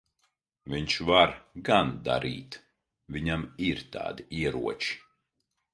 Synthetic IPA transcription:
vʲiɲʃvaɾɡand̪a̰ɾʔḭːt̪ | vʲiɲamiɾt̪a̰ːd̪iiɛɾṵɔt͡ʃi̥

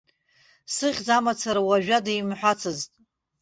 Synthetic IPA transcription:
sɨʁʲd͡zamat͡sʰaɾawaʒᶣadajmħʷᶣat͡sʰɨztʼ

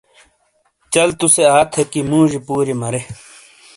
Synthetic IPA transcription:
t͡ɕɐlt̪useaːt̪ʰekimũːʑipuːɾimɐɾe

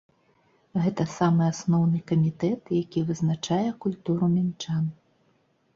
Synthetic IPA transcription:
ɣɛt̪ɐsamɨasnɔwnɨkɐmʲit̪ɛt̪jakʲivɨznat͡ʂajɛkulʲt̪uɾumʲint͡ʂan

